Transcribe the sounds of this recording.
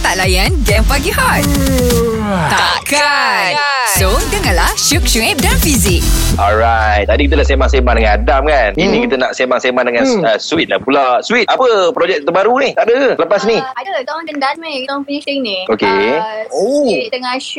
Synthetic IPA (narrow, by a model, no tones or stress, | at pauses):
t̪aʔlajanɡɛmfaɡihɔt̪̚ | t̪aa | ka | sodəŋanlaʃuk̚ʃuŋɛp̚danfizik̚ʔɔlɾajt̪̚t̪adikit̪əlasemaŋsemãndəŋanadamkaninĩkit̪ənaʔsemaŋsemãndəŋãnnəswit̪̚lapulaswit̪ʔapəpɾod͡ʒɛk̚t̪əbaɾuniht̪aʔdəəsləpasniadədãndəndanmedanfinit̪eŋniokeoəŋaʃ